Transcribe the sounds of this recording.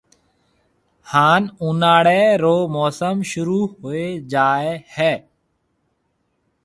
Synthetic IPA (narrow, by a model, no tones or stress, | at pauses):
haːnunaːɽeːɾoːmoːsəmʃʊɾuːɦoːeːd͡ʒaːeːhɛː